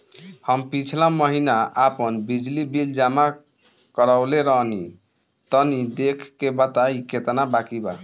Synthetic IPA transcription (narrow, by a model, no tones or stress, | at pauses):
həmpit͡ʃʰlãməɦinaapənbid͡ʒlibild͡ʒama | kəɾaʊleɾəɦni | t̪ənid̪ekʰkːebət̪aiket̪nabakiba